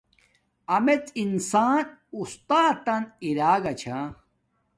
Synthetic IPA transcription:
ɐmet͡sinsaːnust̪aːt̪ɐniɾaːɡɐt͡ɕʰa

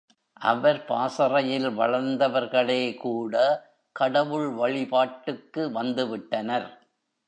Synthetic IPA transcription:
ʔɐ̰ʋɐɾpaːsɐrɐjɪlʋɐ̰ɭɐɾnd̪ɐʋɐɾɣɐɭeːkuːɽɐ | kɐɽɐʋɯɭʋɐɭɪpaːʈːɯkːɯʋɐnd̪ɯʋɪʈːɐnɐɾ

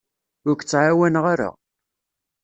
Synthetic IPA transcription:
ʊɾkt͡sːʕawænʁaɾa̰

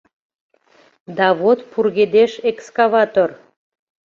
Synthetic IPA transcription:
d̪ɑβot̪purɣed̪eʃekskɑβɑt̪or

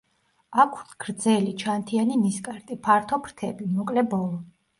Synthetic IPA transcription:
akʰuɾt̪ʰɡ̥ɾd̪zɛlit͡ʃʰant̪ʰianiniskʼaɾt̪ʼipʰaɾt̪ʰɔpʰɾt̪ʰɛbimukʼlɛbɔlˠɔ

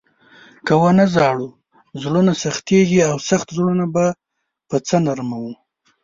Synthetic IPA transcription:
kawanazɑɽu | zlonasaxt̪eɡiawsaxt̪zɽonaba | pət͡sənaɾmawu

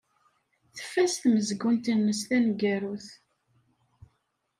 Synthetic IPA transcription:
θə̥fːæsθməzɡʊnt̪ənməst̪ænɡæɾuθ

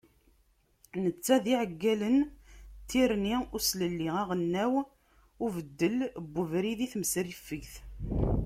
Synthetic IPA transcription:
nət͡sːæðiʕəɡːælənt̪ʰːiɾniʊsləlːiæʁənːæw | ʊvəd̪ːəlbːuvɾiðiθməsɾifːəʝθ

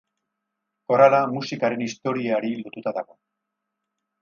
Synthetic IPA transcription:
ko̞ɾalamusikaɾe̞nist̪o̞ɾiaɾilot̪ut̪aðaɣ̞o̞

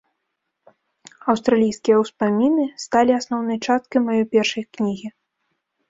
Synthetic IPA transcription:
ɐwst̪ɾalʲijskʲijɐwspamʲinɨst̪alʲiasnɔwnɨjt͡ʂast̪̚kɐjmajɔjpʲɛrʂɐjknʲiɣʲi

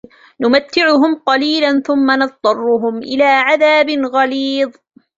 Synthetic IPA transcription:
nʊmat̪ːɪʕʊɦʊmqɑliːlanθʊmːanɑtˤt̪ˤːɑrˤːʊɦʊmʔɪlaːʕaðaːbɪnɣɑliːðˤ

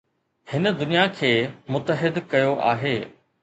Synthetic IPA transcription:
hɪnəd̪ʊnijakʰeːmʊt̪əɦɪd̪kɐjoʔa̰ːɦeː

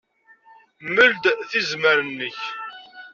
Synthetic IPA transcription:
məld̪θizməɾənːəç

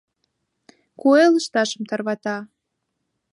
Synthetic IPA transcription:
kueləʃt̪ɑʃəmt̪ɑrβɑt̪ɑ

